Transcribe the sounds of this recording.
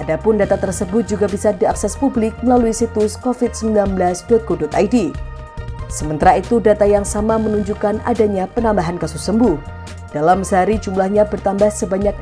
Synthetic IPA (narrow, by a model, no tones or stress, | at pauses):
ʔadapʊndat̪at̪ərsəbʊt̪̚d͡ʒuɡabisadiaksɛspublɪk̚məlaluisit̪ʊskofɪt̪̚səmblilanbəlasdɔat̪̚ɡudʊt̪ajdi | səmənt̪aɾait̪udat̪ajaŋsamamənuɲd͡ʒukana̰daɲapənambaɦankasʊsːəmbʊh | d̥alamsəaɾid͡ʒumlahɲabərt̪ambahsəbaɲak̚